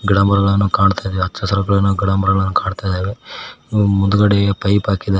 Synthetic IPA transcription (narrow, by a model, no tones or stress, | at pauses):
ɡiɽaːmɐɾɐɡɐɭɐnːukaːɖt̪ajd̪eːʋeɐt̪ːʃɐsɐɾɐɡɐɭɐnːuɡiɽaːmɐɾɐɡɭɐnːukaːɖt̪aːjd̪eːʋe | mund̪uɡɐɽepɐjpaːkid̪a